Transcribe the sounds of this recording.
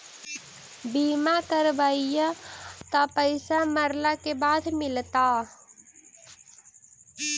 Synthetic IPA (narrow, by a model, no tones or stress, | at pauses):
biːmakəɾbaːijat̪apəɪsaməɾlakebaːd̪mɪlt̪a